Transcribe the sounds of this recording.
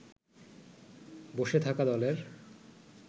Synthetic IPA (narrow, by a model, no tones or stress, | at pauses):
boʃet̪ʰakad̪ɔleɾ